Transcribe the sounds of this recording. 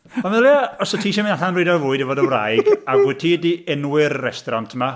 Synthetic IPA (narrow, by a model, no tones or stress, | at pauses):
anɪljaɔsɔtʰiːʃaminaɬanriːdɔvʊɨdivoːdəwra̰jɡaɡʊtʰiːdiɛnwɪɾːɛstɔɾantʰma